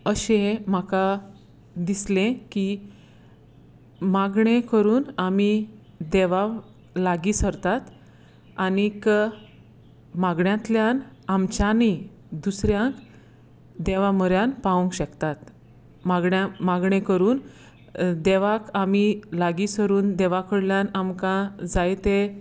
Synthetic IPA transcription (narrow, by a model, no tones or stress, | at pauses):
əɕẽm̤aka | d̪islẽki | maɡɳekəɾuːnami | d̪eʋa | laɡiːsəɾt̪at̪ | anik | maɡɳjãt̪ljanamt͡ɕjani | d̪usɾjãŋk | d̪eʋaməɾjanpaũŋkɕəkt̪at̪ | maɡɳjamaɡɳekəɾuːn | d̪eʋakamilaɡisəɾuːnd̪ɛʋakəɽljanamkãd͡zajt̪e